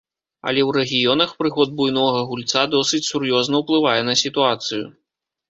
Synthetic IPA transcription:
ɐ̰lʲɛwɾɛɣʲijɔnɐxpɾɨxɔd̪̚bujnɔɣɐɣulʲt̪sad̪ɔsɨt͡sʲsurjɔznɐwplˠɨvajɛnɐsʲit̪uat̪sɨjṵ

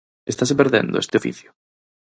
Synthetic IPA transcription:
est̪as̬epeɾðḛ̃nd̪o̰ʊḛst̪ɪofḭθjʊ̥

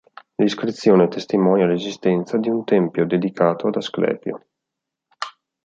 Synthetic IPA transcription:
liskɾit̪sːjoːnet̪est̪imɔːnialezist̪ɛnt̪sad̪iunt̪ɛmpjod̪ed̪ikaːt̪ʰoad̪asklɛ̰ːpjo̰

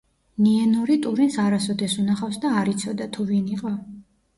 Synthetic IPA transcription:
niɛnɔɾit̪ʼuɾinsaɾasɔd̪ɛsunaχafsd̪aːɾit̪sʰɔd̪at̪ʰuviniqʼɔ

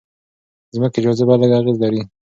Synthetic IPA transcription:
zməkɪd͡ʒɑzabaləɡaɣezlaɾi

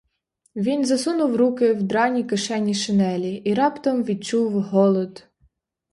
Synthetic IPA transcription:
ʋʲinzɐsunʊwɾukɪwd̪ɾɑnʲikeʃɛnʲiʃɪnɛlʲiːɾɑpt̪ɔmʋʲid̪̚t͡ʃuwɦɔlˠɔd̪

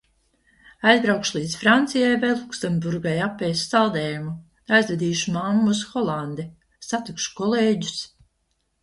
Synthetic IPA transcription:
ajzbɾawkʃlˠiːd̪sfɾant̪sijajvɛjlˠuksɛmbuɾɡajapːɛjsːalˠd̪ɛːjumu | ajzvʲɛd̪iːʃumamːuusxɔlˠand̪ɛ | sat̪ikʃu̥kɔlˠeːɟu̥s

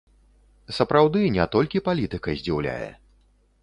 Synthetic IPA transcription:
sɐpɾawd̪ɨnʲɛt̪ɔlʲkʲipalʲit̪ɨkɐzʲd͡zʲiwlʲa̰jɛ̰

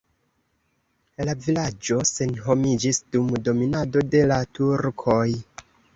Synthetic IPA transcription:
lavilad͡ʒo̞se̞nɦo̞mid͡ʒisdumdo̞minado̞de̞latuɾkʰo̞j

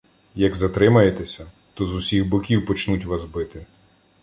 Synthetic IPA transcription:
jɐɡzɐt̪ɾɪmɐjet̪ɛsʲɐ | t̪ɔzusʲixbʊkʲiwpɔt͡ʃnutʲʋazbɪt̪ɪ

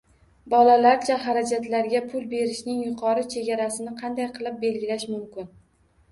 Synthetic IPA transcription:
bɒlalaɾt͡ʃʰaɦaɾad͡ʒat̪laɾɡʲapʰʊlˠbe̞ɾɪʃnɪŋjʊqʰɒɾɪt͡ʃʰe̞ɡʲaɾasɪnɪqʰɑnd̪ajqʰɨlˠɪp̚be̞lɡʲɪlaʃmʊmkʲɪn

